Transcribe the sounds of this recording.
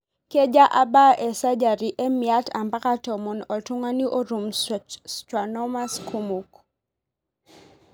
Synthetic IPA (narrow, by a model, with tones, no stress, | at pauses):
ke˦d͡ʒa˦ʔa˦ba˦ʔe˨sa˦d͡ʒa˨ɾi˨ʔe˦mia˦tʰa˨mba˦ka˦tɔ˨mɔ˨nɔ˨tu˦ŋa˦ni˦ʔo˦ɾu˨msta˨nɔ˦ma˦sku˦mu˨k